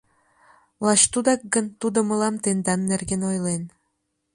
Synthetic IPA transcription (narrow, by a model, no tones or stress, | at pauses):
lɑɕt̪ud̪ɑk̚ɡənt̪ud̪omə̆lɑmt̪end̪ɑnːerɡenojlen